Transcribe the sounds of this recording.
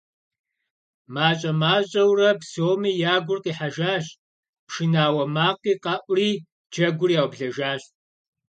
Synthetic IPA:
maːt͡ʃʼɐmaːɕʼɐwrɐpsoːmiːjaːɡʷʊrqiːħaʒaːɕ | pʂɨnaːwɐmaːqiːqɑʔʷʼriː | d͡ʒɐɡʷʊrijaːwbɮɐʒaːɕtʼ

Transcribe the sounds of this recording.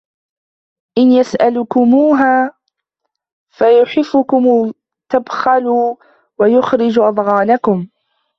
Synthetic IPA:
ʔɪnjasʔalʊkʊmuːɦaː | fajʊħɪfːʊkʊm | t̪abxaluː | wajʊxɾɪd͡ʒʔɑd̪ˤɣɑːnakʊm

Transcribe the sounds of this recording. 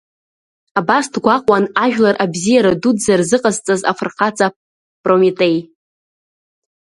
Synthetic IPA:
abasdɡʷaqʼwanaʒᶣlarʔabzijaɾadudzarzɨqʼazt͡sʼaza̰frqʰat͡sʼa | pʼromitʼe̞j

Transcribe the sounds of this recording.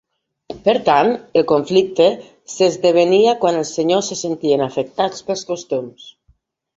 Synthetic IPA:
peɾt̪anelˠkoɱflik̚t̪e | sezðeβeniakwanelˠseɲosːesent̪ienafek̚t̪at͡spelˠskost̪ums

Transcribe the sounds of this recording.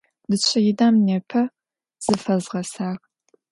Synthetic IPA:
dɨɕʷʰɐjɪdaːmnepʰɐ | z̥ɨfɐzʁɐsaːx

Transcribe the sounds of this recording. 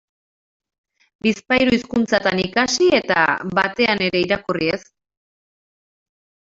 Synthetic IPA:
bispajɾuiskunt͡sat̪anikasie̞t̪a̰βat̪e̞ane̞ɾe̞iɾakurie̞s

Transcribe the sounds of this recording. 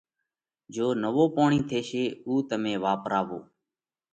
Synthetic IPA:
d͡ʒoːnəʋoːpoːɳĩːt̪ʰeːʃeːuːt̪əmẽːʋaːpɾaːʋo̰ː

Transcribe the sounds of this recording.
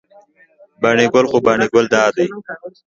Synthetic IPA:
baɳiɡolxobaɳiɡold̪aːd̪ə

